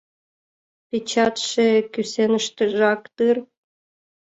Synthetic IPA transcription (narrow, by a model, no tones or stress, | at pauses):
pʲet͡ɕɑt̪ʃekysenəʃt̪ə̆ʒɑkt̪ɨr